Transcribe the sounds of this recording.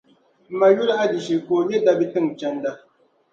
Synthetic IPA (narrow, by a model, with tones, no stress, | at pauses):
ma˨ju˦lʔa˦di˨ʃi˨ko˨jɛ˦da˦bi˦tɨ˦˨ŋ˨t͡ʃɛ˦n˦da˦